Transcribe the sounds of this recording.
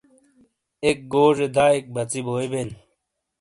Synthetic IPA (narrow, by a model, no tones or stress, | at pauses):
ek̚ɡoːʐed̪aːek̚bɐt͡siboːjben